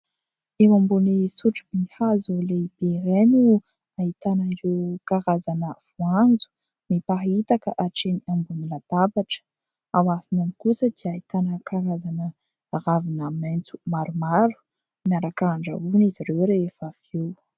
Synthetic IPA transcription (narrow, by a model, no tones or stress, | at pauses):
ewambunisuʈ͡ʂibinihazolebeɾenu | ait̪anəiɾewkaɾazanəv̥uand͡zu̥ | mipaɦait̪akəʔaʈ͡ʂeniambunilat̪apaʈ͡ʂə̥ | awahinanikusəd̪iait̪anəkʰaɾazanə | ravinəment͡su̥maɾumaɾu̥ | niaɾakaaɳɖ͡ʐa̰uniziɾewɾefafew